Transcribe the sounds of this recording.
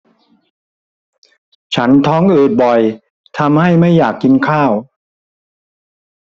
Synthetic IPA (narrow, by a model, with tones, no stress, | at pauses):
t͡ɕʰa˦˥nt̪ʰɔː˦˥ŋʔɯː˨˩t̪̚bɔ˨˩j | t̪ʰa˧mha˥˩jma˥˩jːaː˨˩kːi˧nkʰaː˥˩w